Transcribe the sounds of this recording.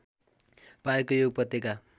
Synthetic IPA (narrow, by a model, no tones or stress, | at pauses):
paekojoɡ̚pʌt̪ːeka